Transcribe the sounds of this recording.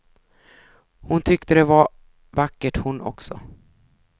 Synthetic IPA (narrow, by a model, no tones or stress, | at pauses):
hʊnt̪ʰʏkt̪əd̪ɛva | vakːəʈhʊnʔɔ̰ksɔ̰